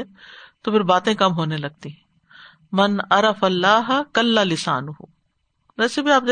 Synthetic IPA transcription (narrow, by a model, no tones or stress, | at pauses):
ɛt̪opʰɪɾbaːt̪ẽkɐmɦoːnelɐɡ̚t̪iɦɛ̃ | mɐnɐɾɐfɐlːaːɦkɐlːalɪsa̰ːnʊɦʊ̰ | ʋɛːsebʱiaːp̚d̪